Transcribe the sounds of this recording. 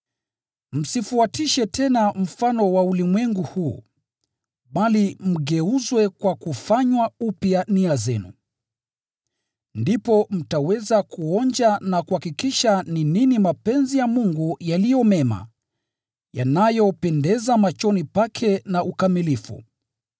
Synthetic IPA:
m̩sifuatiʃɛtɛnam̩fanɔwaulimwɛŋɡuhuː | ɓalim̩ɡɛuzwɛkwakufaɲwaupjaniazɛnṵ | ndipɔm̩tawɛzakuɔnd͡ʒanakuhakikiʃanininimapɛnzijamuŋɡujalijɔmɛma̰ | janajɔpɛndɛzamat͡ʃɔnipakʰɛnaʔukamilifṵ

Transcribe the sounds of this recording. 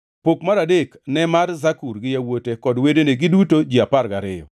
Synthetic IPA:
pokmaɾadeknɛmarzakuɾɡɪjawotekɔdwedeneɡɪdutod͡ʒiapaɾɡaɾɪjɔ̰

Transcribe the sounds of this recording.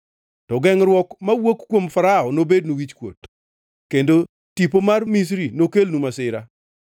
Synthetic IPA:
tɔɡɛŋɾwɔkmawokkːwomfaɾaɔnobed̚nuwit͡ʃkwo̰t | kendo | tipomarmis̬ɾinokelnumasɪɾa

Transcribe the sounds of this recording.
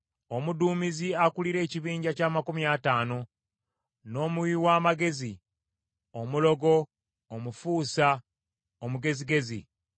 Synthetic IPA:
o̞muduːmiziakuliɾe̞ːciβiːɲɟacaːmakumiataːno̞ | no̞ːmuwiwaːmaɡe̞zi | o̞mulo̞ɡo̞ː | mufuːsa | omuɡe̞ziɡe̞zḭ

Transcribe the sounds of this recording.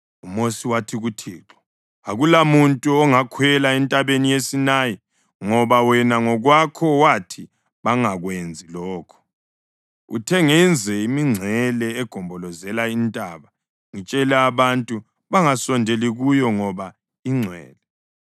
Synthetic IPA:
umosiwatʰiɣutʰiːǁɔ̥ | aɣulamuntʼuɔŋakʰwɛlaɛntʼaβenijesinaːji | ŋɔβawɛnaŋɔɣwakʰɔwatʰi | βaŋaɣwend͡zʱilɔːkʰɔ̥ | ṵtʰɛŋɛnd͡zʱɛimiŋ͡ǀʱɛlɛːɡ̥ʱɔmbʱɔlɔzɛlaintʼaβa | ŋit͡ʃʼɛlɛaβantʼu | βaŋasɔndʱeliɣujɔŋɔβa | iŋ͡ǀʱwɛ̰ːlɛ

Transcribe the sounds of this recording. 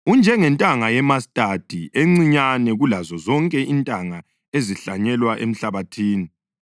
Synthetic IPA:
und͡ʒʱɛŋɛntʼaŋajɛmastʼatʰʼieŋ͡ǀiɲanɛɣulazɔzɔŋkʼɛʔintʼaŋa | eziɬaɲɛlwaʔḛm̩ɬaβatʰiːni

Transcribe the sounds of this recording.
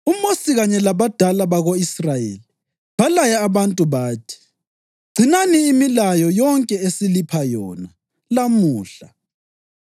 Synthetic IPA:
umosiɣaɲɛlaβad̥ʱalaβaɣoisrajḛːli | balajaːβantʼuβaːtʰi̥ | ɡ͡ǀʱinaniːmilajɔjɔŋkʼɛesilipʰajɔ̰na | lamuːɬa

